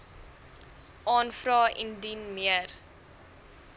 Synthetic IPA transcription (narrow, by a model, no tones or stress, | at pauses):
ʔɑːnfrɑːʔḭndinmiər